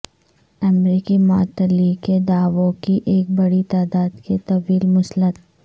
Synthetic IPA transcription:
ɛmɾiːkimaːt̪əliked̪aːʋõkiʔeːk̚bɐɽit̪aːd̪aːd̪ket̪ɐʋiːlmʊslət̪

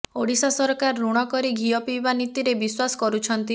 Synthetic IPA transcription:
oɽisasɔɾɔkaɾɔːuɽ̃ɔkɔɾiɡʱiɔpibanit̪iɾebiswasɔ̥kɔɾut͡ʃʰɔnt̪i

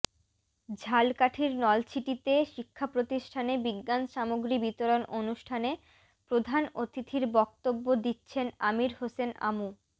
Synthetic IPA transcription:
d͡ʑʱalkaʈʰiɾnɔlt͡ɕʰiʈit̪eʃikʰːapɾot̪iʃʈʰanebiɡːanʃamoɡɾibit̪oɾonʔonuʃʈʰane | pɾod̪ʱanot̪it̪ʰiɾbɔk̚t̪obːod̪itːɕʰenamiɾhosena̰mu

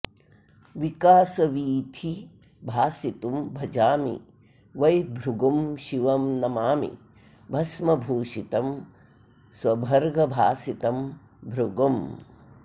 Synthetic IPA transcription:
ʋikaːsɐʋiːt̪ʰi | bʱaːsit̪umbʱɐd͡ʒaːmḭ | ʋɐjbʱɾuɡɐmʃiʋɐmnɐmaːmḭ | bʱɐsmɐbʱuːʃit̪ɐm | swɐbʱɐɾɡɐbʱaːsit̪ɐm | bʱɾuɡɐm

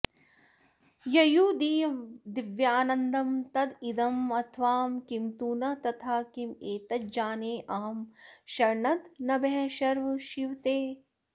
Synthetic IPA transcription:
jɐjuːd̪iːd̪iʋjaːnɐnd̪ɐmt̪ɐd̪id̪ɐmɐt̪ʰʋaːmkimt̪uːnɐt̪ɐt̪ʰaːkimeːt̪ɐt̪̚d͡ʒaːneːʔaːɐmʃɐɾɳɐt̪nɐbeɦɐ̃ʃɐɾʋɐʃiʋt̪eː

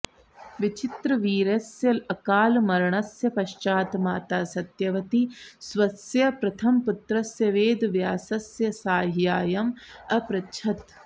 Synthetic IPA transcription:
ʋɪt͡ʃɪt̪ɾɐʋiːɾɐsjɐlɐkaːlmɐɾɳɐsjɐpɐʃt͡ʃaːt̪maːt̪aːsɐt̪jɐʋɐt̪iswɐsjɐpɾɐt̪ʰɐmpʊt̪ɾɐsjɐʋeːd̪ʋjaːsɐsjɐsaːɦjaːjɐmɐpɾɐt͡ʃʰɐt̪

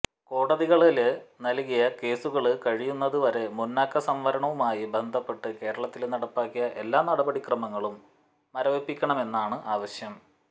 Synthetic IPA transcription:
ko̞ːɽɐðiɣɐɭilnɐlkijɐke̞ːsuɣɐɭɨkɐɻijunːɐðuʋɐɾe̞munːaːkːɐsɐmʋɐɾɐɳɐʋumaːjibe̞nd̪ʱɐpːe̞ʈːɨke̞ːɾɐɭɐt̪ːilnɐɽɐpːaːkːijɐʔe̞lːaːnɐɽɐbɐɽikrɐmɐŋːɐɭumː | ɐɾɐʋepːikʲːɐɳɐme̞nːaːɳɨʔaːʋɐɕjɐm

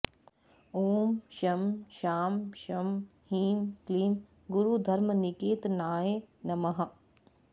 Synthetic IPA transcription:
oːmʃɐmʃaːmʃɐmhiːnkliːn | ɡʊɾud̪ʱɐɾmənɪkeːt̪naːjenɐmɐɦɐ

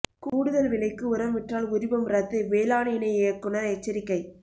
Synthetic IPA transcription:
kuːɽɯðɐlʋɪlɐɪkːɯʊɾɐmʋɪʈraːlʊɾɪbɐmɾɐt̪ːɐɪʋeːlaːnɪjnɐɪeːɐkːʊnɐɾɛt͡ʃːɐɾɪkːɐɪ

